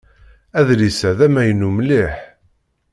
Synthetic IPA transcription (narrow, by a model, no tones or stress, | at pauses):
æðlisæðæmæjənːumliħ